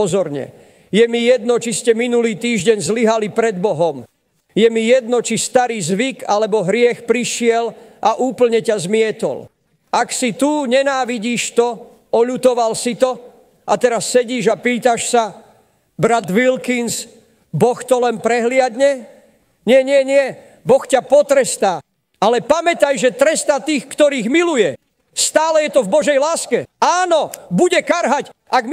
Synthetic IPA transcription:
ɔzɔɾɲɛ̰ | jɛmijɛd̪̚nɔt͡ʃiscɛminuliːt̪iːʒɟɛɲzliɦalipɾɛd̪bɔɦɔm | jɛmijɛd̪nɔt͡ʃist̪aɾiːzʋikalɛbɔɦɾɪɛxpɾiʃɪɛlʔaʔuːpl̩ɲɛcazmɪɛt̪ɔ̰l | aksit̪uɲɛnaːʋiɟiːʃt̪ɔ | ɔʎut̪ɔʋalsit̪ɔ | at̪ɛɾasːɛɟiːʒapiːt̪aʃsa | bɾad̪ʋilkins | bɔxt̪ɔlɛnpɾɛɦlɪad̪ɲɛ | ɲɪɛɲɪɛɲɪɛ | bɔxcapɔt̪ɾɛst̪aː | alɛpamɛt̪ajʒɛt̪ɾɛst̪at̪iːxkt̪ɔɾiːɣmilujɛ | st̪aːlɛjɛt̪ɔvbɔʒɛjlaːskɛaːnɔbuɟɛkaɾɦacʔaɡm

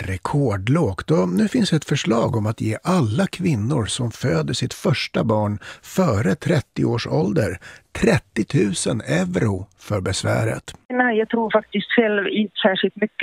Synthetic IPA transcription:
ɾɛkʰoːɖloːɡt̪ɔnʉ̟ːfɪnsd̪ɛt̪fœʂɭɑːɡɔmat̪jeːʔalːakʰvɪnːʊɾsɔmføːd̪əʂɪt̪fœʂʈabɑːɳfœːɾət̪ʰɾɛt̪ːɪoːʂɔ̰ld̪əɾt̪ʰɾɛt̪ːɪt̪ʰʉ̟ːsənɛvɾʊfœɾbɛsvæ̰ːɾə̰t̪najaːɡt̪ʰɾuːɾfak̚t̪ɪst̪ɧɛlvɪnt̪əsæːʂɪlt̪mʏkː

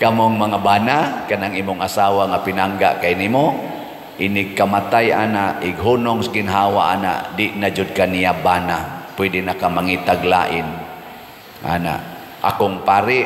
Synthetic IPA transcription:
kamoŋmaŋabaːnakanaŋʔimʊŋasawaŋapinaŋɡa̰ʔkajnimo | ʔinɪkamat̪ajʔa̰naʔɪɡɦunʊŋsɡɪnɦawaʔa̰na̰ʔdɪʔnad͡ʒʊd̚kaniabanapwɛdɪnakamaŋit̪aɡla̰ʔɪn | ʔa̰na̰ʔ | a̰kʊŋpaːɾɪ

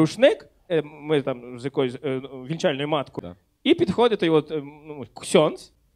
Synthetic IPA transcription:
uʃnɪk | mɪt̪amzjɐkɔjʊsʲʋʲilʲt͡ʃalʲnɔjʊmɑt̪kʊ̰ | ipʲid̪xɔdʲɐt̪ɔjʋɔt̪uksʲɔns

